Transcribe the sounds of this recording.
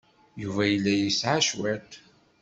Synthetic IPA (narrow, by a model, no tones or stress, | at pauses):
juvæjəlːæjisʕaʃwæt̪